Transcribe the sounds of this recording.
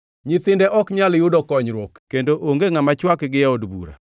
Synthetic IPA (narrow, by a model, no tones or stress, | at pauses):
ɲɪt̪ɪndɛʔɔkɲaljʊdɔkɔɲɾwokkendoʔoŋɡeŋamat͡ʃwakɡɪjaodbṵɾa̰